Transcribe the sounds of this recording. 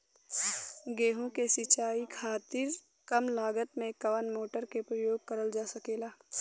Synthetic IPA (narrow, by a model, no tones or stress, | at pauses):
ɡeːɦõkesɪt͡ʃaːikʰaːt̪ɪɾ | kəmlaːɡət̪mẽkɐʋənmoːʈəɾkepɾəjoːɡ̚kəɾəld͡ʒaːsəkeːlaː